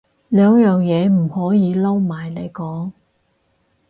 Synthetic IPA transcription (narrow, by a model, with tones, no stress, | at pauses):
lœː˨˧ŋjœː˨ŋjɛː˨˧m̩˨˩hɔː˨˥jiː˨˧lɐ˥wmaː˨˩jne˨˧jkɔː˨˥ŋ